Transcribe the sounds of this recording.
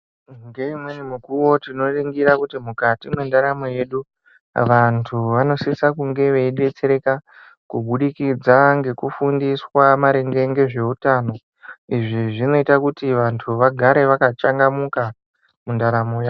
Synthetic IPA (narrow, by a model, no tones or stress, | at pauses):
ŋɡe̞imwe̞nimukuwo̞tino̞riŋɡiɾakutimukatimwendaɾamoje̞ɗu | ʋantʰuʋano̞sisakuŋɡe̞ʋe̞iɗe̞t͡se̞ɾe̞ka | kuɓuɗikid͡zaŋɡe̞kufundiswamaɾeŋɡe̞ŋɡe̞ʐe̞utaːno̞ | iʐiʐino̞itakutiʋantʰuʋaɡʱaɾe̞ʋakat͡ʃaŋɡamuka | mundaɾamoja